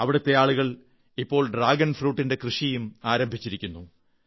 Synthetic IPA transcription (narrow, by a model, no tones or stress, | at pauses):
ɐʋiɽut̪ːe̞jaːɭuɣɐɭ | ipːo̞ːɭɖraːɡɐnfruːʈːinde̞krɨʂijumaːɾɐmbʱit͡ɕːiɾikʲːunːu